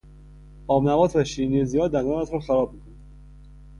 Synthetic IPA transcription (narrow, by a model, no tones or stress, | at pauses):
ɒːmnævɒːt̪ʰvæʃinezijɒːd̪ænd̪ɒːnæt̪ʰɾɔxæɾɒːb̚mikʰon